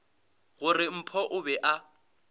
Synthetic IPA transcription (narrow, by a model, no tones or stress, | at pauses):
ɣʊrɪm̩pʰɔʔʊbɛʔa